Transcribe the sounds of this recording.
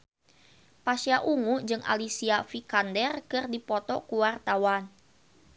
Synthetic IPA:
pasjaʔuŋud͡ʒɨŋa̰lisiafikandɛrkɨrdipɔt̪ɔkuwart̪awan

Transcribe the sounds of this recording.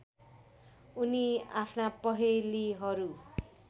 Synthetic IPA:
uniapʰnapʌɦeliɦʌɾu

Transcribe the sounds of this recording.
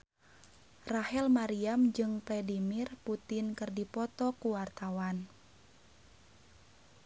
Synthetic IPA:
rahɛlmaɾiamd͡ʒɨŋplɛdimirput̪ɪnkɨrdipɔt̪ɔkuwart̪awan

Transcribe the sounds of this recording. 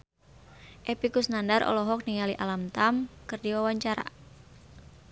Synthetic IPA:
ʔɛpikusnandaɾʔɔ̰lɔɦɔk̚niŋaliʔalamt̪amkɨrdiwawaɲt͡ʃaɾa̰

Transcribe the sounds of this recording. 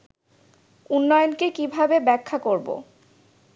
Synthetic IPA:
unːɔjonkekibʱabebɛkʰːakoɾbo̰

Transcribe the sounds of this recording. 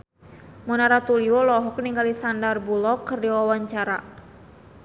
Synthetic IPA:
munaɾat̪uliwɔlɔɦɔk̚niŋɡalisandarbulɔkːərdiwawaɲt͡ʃaɾa

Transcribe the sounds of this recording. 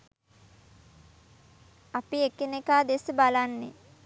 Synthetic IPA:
apiekenekaːd̪esəbalanːḛ

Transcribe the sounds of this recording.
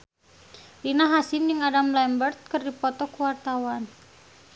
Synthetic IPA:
rinaɦasɪmjɨŋadamlɛmbərt̪̚kɨrdipɔt̪ɔkuwart̪awan

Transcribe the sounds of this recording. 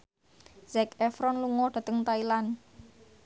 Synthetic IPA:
z̥ɛkɛfɾɔnluŋɔɖ̥ä̤t̪əŋt̪ailan

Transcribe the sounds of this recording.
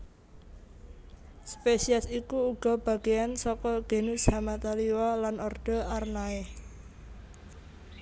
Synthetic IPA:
spesiasikuːɡ̥ɔ̤b̥a̤ɡ̥eansɔkɔɡ̥e̤nushamat̪aliwalanʔɔrd̪̥ɔ̤ʔarnae

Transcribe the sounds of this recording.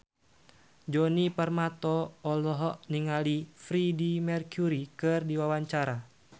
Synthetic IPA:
d͡ʒɔnipərmat̪ɔːlɔɦɔʔniŋalifɾidimɛrkjuɾikɨrdiwawaɲt͡ʃaɾa

